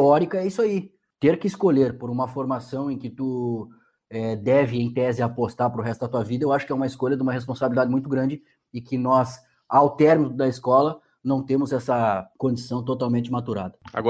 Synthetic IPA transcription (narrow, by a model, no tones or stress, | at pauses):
ɔɾikɐɛisʊai | t̪eɾkɪskoʎeɾpoɾũmɐfoɾmasɐ̃w̃ẽkɪt̪u | ɛd̪ɛvɪẽj̃t̪ɛzɪapost̪aɾpɾʊɦɛst̪ʊd̪ɐt̪uɐvid̪ɐewaʃʊ̥kɪɛũmɐɪskoʎɐd̪ɪũmɐɦespõsabilid̪ad͡ʒɪmũj̃t̪ʊɡɾɐ̃nd͡ʒɪ | ɪkɪnɔz | awt̪ɛɾminʊd̪ɐɪskɔlɐ | nɐ̃w̃t̪ẽmʊzɛsɐkõd͡ʒisɐ̃w̃t̪ot̪awmẽnt͡ʃɪmat̪uɾa̰d̪ɐa̰ɡɔ